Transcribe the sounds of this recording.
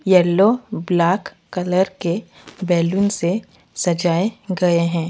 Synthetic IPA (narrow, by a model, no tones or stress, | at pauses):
jɛːlːoblaːkːɐləɾke | bɛːlunse | sɐd͡ʒaːeɡɐeɦɛ̃ː